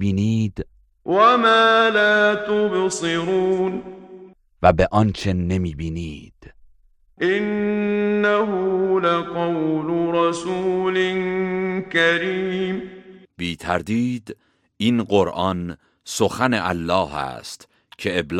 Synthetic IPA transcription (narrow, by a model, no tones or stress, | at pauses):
biːniːd̪ | wamaːlaːt̪ʊbsɨɾuːn | væbeʔɒnt͡ʃʰe̞ne̞miːbiːniːd̪̥ | ʔɪnː | aɦʊlaqɑwlʊɾˤɑsuːlɪnkaɾiːmb̥iːt̪ʰæɾd̪iːd̪ | inɢoɾʔɒn | soxæneʔæ̰lːɒːhæ̰st̪ | cʰe̞ebl